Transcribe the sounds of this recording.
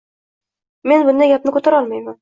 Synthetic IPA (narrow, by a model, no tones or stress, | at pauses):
me̞nbʊnd̪aɡʲapnɪkɵt̪ʰaɾɒlˠmajman